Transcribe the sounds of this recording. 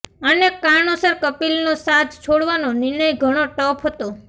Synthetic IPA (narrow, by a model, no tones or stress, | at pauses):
ənekaɳosəɾkəpilnosat̪t͡ʃʰoɽʋanonɪɾɳ̃əjɡʱəɽ̃oʈɔpʰɦət̪o